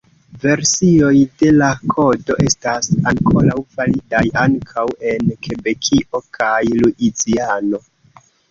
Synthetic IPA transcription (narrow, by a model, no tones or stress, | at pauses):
ve̞ɾsio̞jde̞lakʰo̞do̞ʔe̞stasaŋko̞ɾawfalidajaŋkʰawe̞nkʰe̞be̞kʰiʔo̞kʰajluʔit͡siano̞